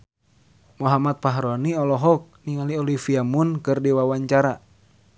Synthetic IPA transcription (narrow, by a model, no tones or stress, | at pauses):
muɦamat̪̚paɦɾɔniɔlɔɦɔk̚niŋaliɔlifiamunkɨrdiwawaɲt͡ʃaɾa